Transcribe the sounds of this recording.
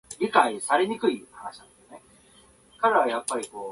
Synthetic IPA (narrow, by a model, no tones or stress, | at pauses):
ɾʲikaisaɾe̞ɲ̟ikɯ̟ihanaɕinãneone̞ | kaɾajapːaɾʲiko̞ː